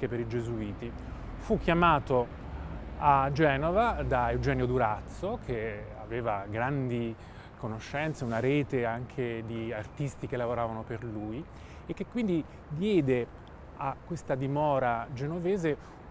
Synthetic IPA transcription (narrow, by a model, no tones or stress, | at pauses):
epeɾid͡ʒezuiːt̪i | fukʰːjamaːt̪o | ad͡ʒɛːnovad̪aewd͡ʒɛːnjod̪uɾat̪sːokʰeaveːvaɡɾand̪i | konoʃːɛnt̪seunaɾeːt̪eaŋkʰed̪iart̪ist̪ik̟elːavoɾaːvanoperluːj | ekːekːwind̪i | d̪jɛːd̪e | akːwest̪ad̪imɔːɾad͡ʒenoveːze